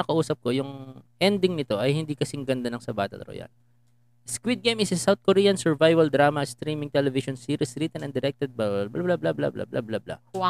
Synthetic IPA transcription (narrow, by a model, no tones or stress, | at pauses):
ɐkɐʔuːsɐp̚ko̞jʊŋʔɛnd̪ɪŋnɪt̪o̞ʔɐjhɪnd̪iːkɐsɪŋɡɐnd̪ɐnɐŋsɐbaːt̪ɛ̰lɾo̰ja̰l | skwid̪̚ɡejmɪsɐsawt̪̚koɾiːjɐnsɛɹvajvɐld̪ɾaːmɐst̪ɾiːmɪ̃ŋt̪ɛlɛvɪʃonsiːɾisɾit̪ɛnʔɐnd̪ɛɾɛk̚t̪ɛd̪̚bablablablabla̰bla̰bla̰blabla̰